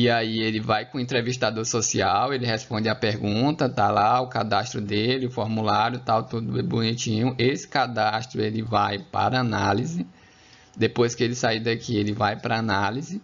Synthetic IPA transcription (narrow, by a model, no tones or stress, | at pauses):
iaielɪvajkõẽnt̪ɾeviʃt̪ad̪oɾsosiawelɪɦɛspõnd̪ɪɐpeɾɡũt̪ɐt̪alaʊkad̪aʃt̪ɾʊd̪elɪʊfoɾmulaɾjʊt̪awt̪ud̪ʊɛbunit͡ʃĩɲʊʔesɪ̥kad̪aʃt̪ɾʊelɪvajpa̰ɾɐanalizɪ | d̪epojskɪelɪsaid̪ɐkielɪvajpɾɐanalizɪ